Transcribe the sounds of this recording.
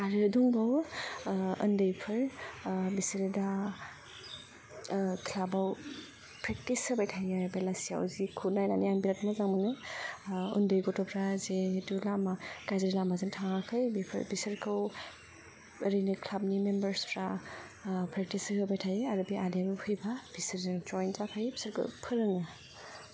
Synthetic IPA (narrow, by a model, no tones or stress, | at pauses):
aɾɯduŋbaw | ɯ̰ndɯjpʰɯɾbisɯɾɯda | kʰilabaw | pɾek̚tisɯbajtʰajaɾɯbelasija̰wzikʰunajnanianbiɾatmazaŋmɯnɯ | ɯ̰ndɯjɡɔtɔpʰɾazeɦetulamaɡ̥ajzeɾilamazɯŋtʰaŋakʰɯjbipʰbisɯɾkʰɯw | ɾinikʰlab̚nimembɐɾspʰɾa | pɾek̚tisɯkʰɯbajtʰajiaɾɯbiadeɾuhʰɯjbab̥isɯɾzɯŋd͡ʒɔjnzapʰajbisaɾkʰɯ̰wpʰɯɾɯŋɯ